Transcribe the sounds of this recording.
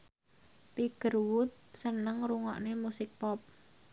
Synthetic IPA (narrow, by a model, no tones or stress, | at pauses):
t̪iɡ̥ə̤rwʊt̪̚sənəŋruŋɔ̰ʔnemusɪk̚pɔp̚